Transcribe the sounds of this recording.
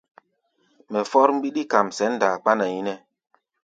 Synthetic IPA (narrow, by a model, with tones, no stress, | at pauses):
mɛ˨fɔ˦ɾm̩˦bi˦ɗi˦ka˨msɛ˨˦n̩˦da˨k͡pa˦na˨ji˦nɛ˦